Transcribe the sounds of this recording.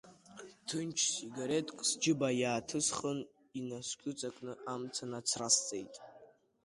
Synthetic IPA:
tʰɨnt͡ʃʰsiɡaɾetʼkʼsd͡ʒɪbajaːtʰɨsχən | inaskʲʼʊt͡sʼakʼnɨʔamt͡sʰanat͡sʰrast͡sʼejtʼ

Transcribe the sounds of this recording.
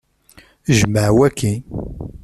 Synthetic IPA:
ʒməʕwækʰːi

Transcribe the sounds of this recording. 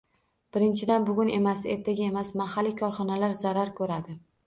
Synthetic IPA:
b̥ɪɾɪnt͡ʃʰɪd̪anbʊɡʲʊne̞mase̞̰ɾt̪ʰaɡʲaemasmahalːikʲʰɒɾχɒnalaɾzaɾaɾkʰɵɾad̪ɪ

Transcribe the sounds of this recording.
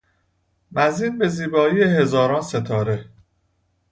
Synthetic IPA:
mæziːnbe̞ziːbɒːiːjeɦe̞zɒːɾɒːnse̞t̪ʰɒːɾe̞

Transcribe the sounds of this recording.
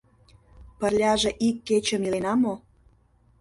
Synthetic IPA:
pə̆rlʲɑʒĕʔikːet͡ɕə̆milenɑmo

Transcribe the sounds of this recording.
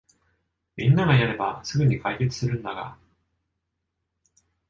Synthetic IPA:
mʲĩnːaɡajaɾe̞ba̰sɨɡɯ̟ɲ̟ikaike̞t͡sɨ̥sɨɾɯ̟̃nd̪aɡa̰

